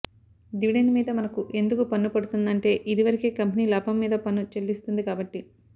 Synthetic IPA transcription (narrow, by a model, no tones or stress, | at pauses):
d̪iʋiɖenmiːd̪ɐmɐnɐkuʔe̞nd̪ukupɐnːupɐɽut̪und̪ɐɳʈe̞ːʔid̪iʋɐɾikeːkɐmpiniːlaːpʰɐmːiːd̪ɐpɐnut͡ʃelːist̪und̪ikaːbɐʈːi